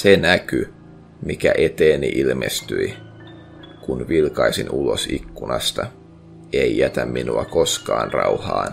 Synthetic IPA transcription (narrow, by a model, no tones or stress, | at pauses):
senæky | mikæʔet̪eːniʔilmest̪yi | kunʋilkɑisinulosikːunɑst̪ɑ | eijæt̪æmːinuɑkoskɑːnrɑ̰uhɑːn